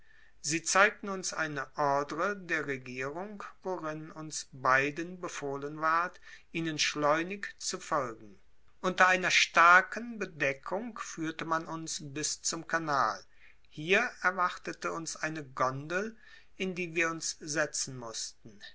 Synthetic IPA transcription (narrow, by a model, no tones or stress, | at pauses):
ziːt͡saɪk̚tn̩ʊnsʔa̰ɪnəʔɔɐdəʁədeːɐʁeɡiːʁʊŋkvoʁɪnʊnsbaɪdənbəfoːlənvaɐtʔiːnənʃlɔʏnɪkt͡sufɔlɡŋ̩ | ʔʊntɐaɪnɐʃtaɐkʰənbədɛkʰʊŋkfyːɐtəmanʔʊnsbɪst͡sʊmkʰanaːl | hiːɐɛɐvaχtətəʊnsʔaɪnəɡɔndl̩ | ɪndiːviːɐʊnszɛt͡sn̩mʊstn̩